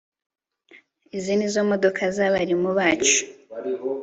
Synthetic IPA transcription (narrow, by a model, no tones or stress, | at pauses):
izinizomo̞do̞kʰazaβaɾimuβaːt͡ʃu̥